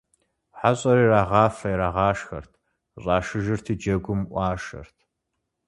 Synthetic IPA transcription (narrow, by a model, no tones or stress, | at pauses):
ħaɕʼɐɾiːraːʁɑːfɐjɾaːʁɑːʂxɐ̰rtʰ | ɕʼɑːʃɨʒɨrtʰid͡ʒɐɡʷʊmʔʷɑːʃɐ̰rtʰ